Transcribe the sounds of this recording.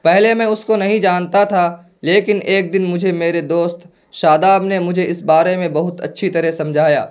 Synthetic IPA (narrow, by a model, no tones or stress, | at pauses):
pɛɦlemɛ̃ːʊskonɐɦĩd͡ʒaːnt̪at̪ʰa | leːkɪneːk̚d̪ɪnmʊd͡ʒʱemeːɾed̪oːst̪ | ʃaːd̪aːbnemʊd͡ʒʱeɪsbaːɾemẽbɐɦʊt̪ɐ̰tːʃʰit̪ɐɾɛsɐ̃md͡ʒʱaːja̰ː